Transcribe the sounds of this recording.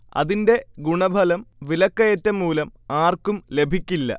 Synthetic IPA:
ɐ̰ðinde̞ɡuɳɐbʱɐlɐmʋilɐkːɐjɐtːɐmːuːlɐmaːrkumle̞bʱikʲːilːɐ̰

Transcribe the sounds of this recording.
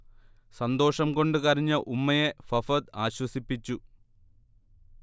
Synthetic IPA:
sɐnd̪o̞ːʂɐmko̞ɳɖɨkɐɾiɲːɐʔumːɐjefɐfɐd̪aːɕwɐsipːit͡ɕːu

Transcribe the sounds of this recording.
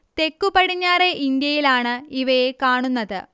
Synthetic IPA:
t̪e̞kːupɐɽiɲːaːre̞ʔind̪jɐjilaːɳɨiʋɐjekaːɳunːɐðɨ

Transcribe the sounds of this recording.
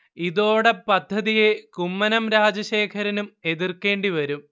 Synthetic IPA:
iðo̞ːɽe̞pɐd̪ʱːɐðijekumːɐnɐmɾaːd͡ʑɐɕe̞ːkʰɐɾɐnume̞ðirke̞ːɳɖiʋɐɾum

